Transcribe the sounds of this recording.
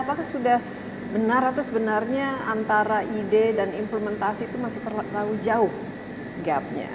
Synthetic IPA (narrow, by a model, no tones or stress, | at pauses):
apakahsudah | bənaɾat̪usəbənarɲaant̪aɾaʔidedanimpləmɛnt̪asiːt̪umasɪht̪ərlaud͡ʒaʊh | ɡap̚ɲa̰